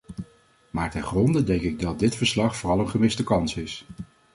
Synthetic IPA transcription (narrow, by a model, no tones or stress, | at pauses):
maːɹtɛnχrɔndədɛŋkɪɡ̚dɑt̚dɪtfəɹslɑχfoːrɑlˠənχəmɪstəkɑnsɪs